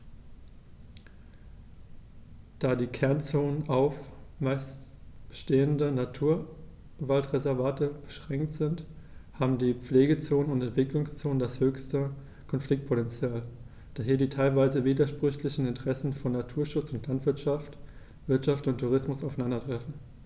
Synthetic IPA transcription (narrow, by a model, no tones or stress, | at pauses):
d̥aːdiːkʰɛɐnt͡soːnənʔaʊfmaɪstəʃteːəndənatʰuːɐ | valtʁezɛɐvaːtəb̥əʃʁ̥ɛŋktz̥ɪnt | haːbm̩diːp͡fleːɡət͡soːnənʊntɛntv̥ɪklʊŋst͡soːnəndashøːçstə | kʰɔnflɪk̚t̚pʰotɛnt͡sjaːl | d̥aːɦiːɐdiːtʰaɪlvaɪzəviːdɐʃpʁ̥ʏçlɪçn̩ɪntəʁ̥ɛsn̩fɔnːatʰuːɐʃʊt͡sʊntlantv̥ɪɐtʃaft | v̥ɪɐtʃaftʊntʰːuʁ̞ɪsmʊsaʊfanandɐtʁ̥ɛfn̩